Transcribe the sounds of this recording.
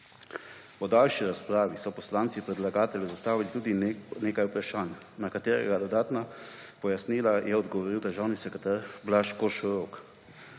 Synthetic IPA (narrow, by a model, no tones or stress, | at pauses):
pɔd̪alʃiɾaspɾaːʋisɔpɔslaːnt̪sipɾɛd̪laɡaːt̪ɛljɛzast̪aːʋilit̪uːd̪ineːkajupɾaʃaːn | nakat̪eːɾɛ̰ɡad̪ɔd̪aːt̪napɔjasniːlajɛɔd̪ɡɔʋɔɾiwd̪əɾʒaːwnisɛkɾɛt̪aɾblaʃkɔʃuɾoːk